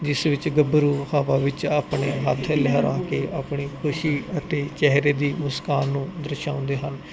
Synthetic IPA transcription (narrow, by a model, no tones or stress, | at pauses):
d͡ʒɪsʋɪt͡ʃɡəbəɾuːhaːʋaːʋɪt͡ʃaːpɳeːɦət̪ʰlɛɦəɾa̰ːkeːʔaːpɳiːkʰʊʃiːət̪eːt͡ʃɛɦɾeːd̪iːmʊskaːnːũːd̪əɾʃãːʊ̃nd̪eːɦən